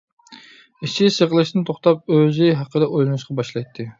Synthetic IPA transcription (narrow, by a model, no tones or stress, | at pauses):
iʃʰisəʁəlˠɨʃt̪ɪnɪt̪ʰoχt̪ɑp̚øzɪɦæqːəd̪ɛʔojlˠnɨʃqɑbɑʃlˠɑjt̪ʰːɨ